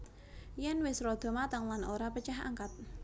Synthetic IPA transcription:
jɛnwɪsɾɔd̪̥ɔ̤mat̪aŋlanoɾapət͡ʃaɦa̰ŋkat̪̚

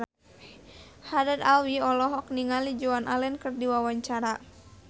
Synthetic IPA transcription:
hadɛd̪awiɔlɔɦɔk̚niŋalid͡ʒuanʔalɛnkɨrdiwawaɲt͡ʃaɾa

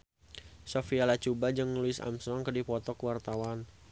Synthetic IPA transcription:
sofialat͡ʃubad͡ʒəŋnuluɪsa̰msɔŋkədipɔt̪ɔkwart̪awan

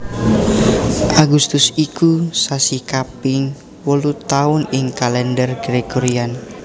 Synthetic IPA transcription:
ʔaɡust̪ʊsikusasikapɪŋ | wəlut̪aʊnɪŋkalɛndərɡɾeɡoɾian

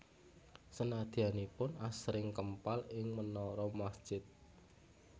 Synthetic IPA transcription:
sənad̪̥i̤anipʊnasɾɪŋkəmpalɪŋmənɔɾɔmasd̥ʒ̥ɪt̪̚

